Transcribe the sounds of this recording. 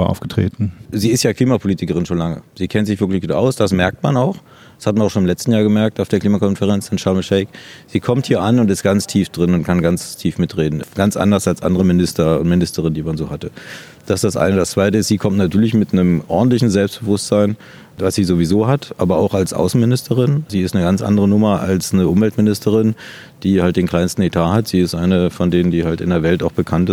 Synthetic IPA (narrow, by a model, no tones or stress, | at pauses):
ʔa̰ʊfɡ̥ətʁ̥ḛːtn̩ziːɪstjaːkʰl̥iːmapʰoliːtɪkəʁ̞ɪnʃoːnlaŋə̰z̥iːkʰɛntz̥ɪçvɪɐklɪçɡ̥uːtʔa̰ʊsd̥asmɛɐk̚tmanaʊx | ḁshatmanaʊʃoːnɪmlɛt͡stn̩jaːɡəmɛɐk̚taʊfeːɐkliːmakʰɔnfəʁɛnt͡sɪntʃaməʃɛɪkz̥iːkʰɔmthiːɐʔanʊntɪst̚ɡ̥ant͡stʰiːfd̥ʁɪnʊntkʰanɡanstʰiːfmɪtʁeːdn̩ɡ̥ant͡sʔa̰ndɐsalsʔa̰ndəʁəmɪnɪstɐʊ̰ntmɪnɪstəʁɪndiːmanzoːhatə | d̥asd̥asʔa̰ɪnədast͡sv̥aɪtəɪstz̥iːkʰɔmtnatʰyːɐlɪçmɪtnəmʔɔɐdn̩tlɪçn̩zɛlpstb̥əvʊstz̥aɪn | vasz̥iːzovizoːɦatʔa̰ːbɐaʊxalsʔa̰ʊsn̩mɪnɪstʰəʁɪnziːɪstnəɡant͡sʔa̰ndəʁ̞ənʊmɐa̰lsnəʔʊmvɛltmɪnɪstʰəʁɪn | d̥iːhalt̚d̥eːnkʰl̥aɪnstn̩etʰaːhatz̥iːɪstʔaɪnəfɔndeːnəndiːhaltɪ̰ndeːɐvɛltaʊxb̥əkʰant